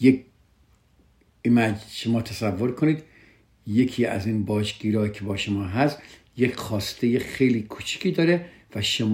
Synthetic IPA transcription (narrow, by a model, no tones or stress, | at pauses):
jek | imæd͡ʒʃomɒːt̪ʰæsævːoɾkʰoniːd̪ | je̞kʰiːæ̰ziːnbɒːd͡ʒɡiːɾɒːkʰebɒːʃomɒːɦæsjekxɒːst̪ʰe̞jexejliːkʰut͡ʃʰi̥kʰiːd̪ɒːɾe | væʃom